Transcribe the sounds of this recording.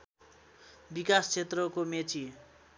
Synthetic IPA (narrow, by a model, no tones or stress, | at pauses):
bikast͡sʰet̪rʌkomet͡sʰi